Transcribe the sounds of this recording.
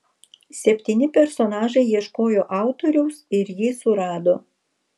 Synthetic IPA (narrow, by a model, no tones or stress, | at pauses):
sʲɛpʲt̪ʲiːnʲɪpʲɛɾsɔnɑːʒɐɪjiɛʃkoːjoːʔɑˑʊt̪oɾʲɛʊsɪɾjisʊɾɑːd̪oː